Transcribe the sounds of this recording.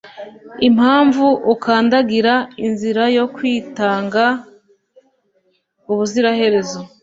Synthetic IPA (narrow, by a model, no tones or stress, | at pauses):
imhaːɱvuʔukaːndaɡiɾainziɾajo̞kwiːtaːŋɡa | uβuziɾahe̞ɾe̞zo̞